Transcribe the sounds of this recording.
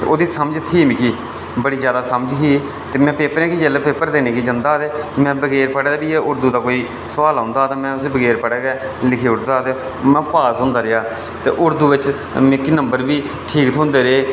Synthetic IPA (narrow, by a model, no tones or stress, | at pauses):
o̰ːd̪iːsəməd͡ʒt̪ʰiːmɪkiː | bəɽiːzjaːd̪aːsəmd͡ʒkiː | t̪eːmɛ̃ːpeːpːəɾẽːkiːd͡ʒəlepeːpːəɾd̪eːneːkiːd͡ʒənd̪aːt̪eːmɛ̃ːbəɡeːɾpəɽeːd̪aːbiːeʊɾd̪uːd̪aːkoːiː | sʊʋaːlɦõːnd̪aːt̪ãːmɛ̃ːʊsebəɡeːɾpəɽeːɡɛː | lɪkʰeːʊɾd̪aːt̪eː | mɛ̃ːpaːsɦʊ̃ːnd̪aːɾɪaː | t̪ḛːʔʊɾd̪uːʋɪt͡ʃ | mẽkiːnəmbəɾbiː | ʈʰiːkt̪ʰʊ̃nd̪eːɾeː